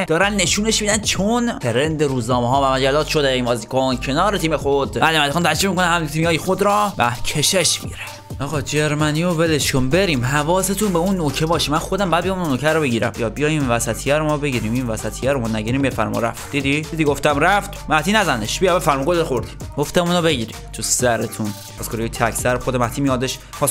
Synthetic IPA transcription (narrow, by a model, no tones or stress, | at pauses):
d̪ɒːɾænːe̞ʃuːne̞ʃmid̪ænt͡ʃʰonpʰeɾend̪eɾuːznɒːmeɦɒːbæʁæɾd͡ʒæɾd̪ɒːd̪ʃod̪einbɒːzikʰoncʰenɒːɾet̪ʰiːmexod̪mælemæt̪eɑnt̪æd͡ʒɾiːmikonænhæmt̪ʰimiɒːjixod̪ɾɒːbæ̰cʰeʃeʃmḭɾe | ʔɒːɣɒd͡ʒeɾmænijovelet͡ʃombe̞ɾiːmɦævɒːse̞t̪ʰunbeunːocʰebɒːʃimænxod̪æmbæːd̪bijɑmunːokʰæɾobeɟiːɾæ̰mbijɒːd̪̚bijɒjinvæsæt̪ʰijæɾomɒːbe̞ɟiːɾiːminvæsæt̪ʰijæɾomɒːnæɟiɾimbiefæɾmɔ̰ɾæ̰ft̪̚d̪id̪id̪id̪iɡoft̪æmræft̪mæht̪iːnæzæneʃbijbefæɾmuɡoled̪xoɾd̪i̥ɡoft̪emunobeɟiːɾimt̪ʰusæɾet̪ʰun | pʰɒskʰoɾijet̪ʰækʰsæɾxod̪emæht̪ʰiːmijɒːd̪eʃ | pʰɒs